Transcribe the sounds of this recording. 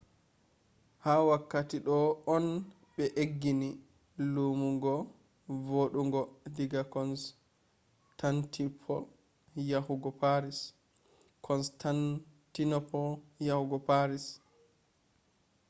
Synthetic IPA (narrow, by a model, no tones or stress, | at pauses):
hawakːatiɗɔɔn | ɓɛʔeɡːini | lumuŋɡɔ | voɗuŋɡɔdiɡakɔns | tantʰipʰɔ̰l | jahuɡɔpaɾis | kʰɔnstantinɔpɔjahuɡɔpaɾis